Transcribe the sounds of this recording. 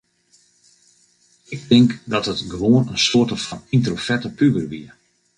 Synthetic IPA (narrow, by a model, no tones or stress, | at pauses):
ɪk̚dɪŋkdɔthətɡəʋoənənsoərtəfɑnintrofɛtəpybərʋḭə